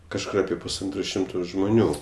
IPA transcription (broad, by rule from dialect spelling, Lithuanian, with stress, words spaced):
kɐʃˈkʊr ɐˈpʲiɛ pʊsˈɐntroː ˈʃʲɪmtoː ʒmʊˈnʲuː